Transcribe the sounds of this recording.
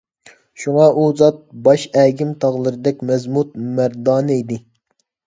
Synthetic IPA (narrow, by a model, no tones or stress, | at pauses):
ʃuŋɑʔuzɑt̪̚bɑʃɛːɡʲɪmt̪ʰɑʁlˠɨɾɨd̪ɛk̚ʲmɛzmut̪̚mæɾd̪ɑːnɨid̪ɪ